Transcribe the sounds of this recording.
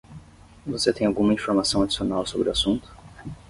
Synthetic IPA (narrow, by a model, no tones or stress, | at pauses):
voset̪ẽj̃awɡũmɐĩfoɾmasɐ̃w̃ad͡ʒi̥sionawsobɾʊasũnt̪ʊ̥